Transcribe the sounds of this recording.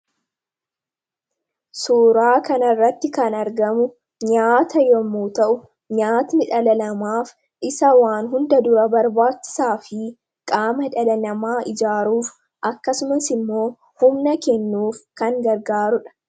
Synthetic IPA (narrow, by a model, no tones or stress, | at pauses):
suːɾaːkɐnɐrːɐt̪ːɪkɐnɐɾɡɐmʊ | ɲaːt̪ɐjɔmːuːt̪ɐʔʊ | ɲaːt̪nɪᶑɐlɐlɐmaːf | ʔɪsɐwaːnɦʊnd̪ɐd̪ʊɾɐbɐɾbaːt͡ʃːɪ̥saːfɪ | kʼaːmɐᶑɐlɐlɐmaːʔɪd͡ʒaːɾuːf | ʔɐkːɐsʊmɐsɪmːo̞ː | hʊmnɐkɛnːuːfkɐŋɡɐɾɡaːɾʊᶑɐ̥